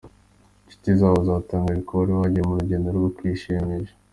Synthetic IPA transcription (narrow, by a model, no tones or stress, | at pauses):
t͡ʃi̥tizaβozaːtaːŋɡaɾikowaɾiwaɟiɾemuɾuɟendoɾɡokwiːʃiɲiʒe̥